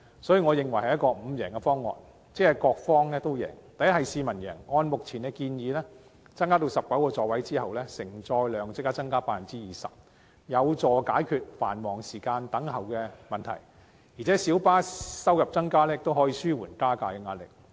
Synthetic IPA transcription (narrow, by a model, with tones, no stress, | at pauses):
sɔː˨˥jiː˨˧ŋɔː˨˧jɪ˨ŋwɐ˩jɦɐ˨jɐ˥tkɔː˧m̩˨˧jɛː˨˩ŋkɛ˧fɔː˥ŋːɔ̰ː˨n | t͡sɛː˥ɛ˧kɔː˧k̚fɔː˥ŋlɛː˥t̪o˥wjɛ̰ː˨˩ŋt̪ɐ˨jɐ˥t̚ɦɐ˨jsiː˧mɐ˨˩njɛ̰ː˨˩ŋɔː˧nmʊ˨k̚t͡sʰiː˨˩nkɛ˧kiː˧njiː˨˧lɛː˥ | t͡sɐ˥ŋkaː˥t̪̬o˧wsɐ˨p̚kɐ˨˥wkɔː˧t͡sɔː˨wɐ˨˥jt͡siː˥hɐ˨wlɛː˥sɪ˨˩ŋt͡sɔː˧jlœː˨˧ŋt͡sɪ˥kːaː˥t͡sɐ˥ŋkaː˥paː˧˥fɐ˨˩nt͡siː˥jiː˨˩sɐ̰˨p̚ | jɐ˨˧wt͡sɔː˨kaː˨˥jkʰyː˧t̚fa̰ː˨˩nmɔː˨˩ŋsiː˨˩kaː˧nt̪ɐ˨˥ŋhɐ˨wkɛ˧mɐ˨˩nt̪ʰɐ̰˨˩j | jiː˨˩t͡sʰɛ˨˥siː˨˥wpaː˥sɐ˥wjɐ˨p̚t͡sɐ˥ŋkaː˥lɛ˥jɪ˨k̚t̪o˥wɦɔː˨˥jiː˨˧syː˥wuː˨˩nkaː˥kaː˧kɛ˧ŋaː˧t̚lɪ̰˨k̚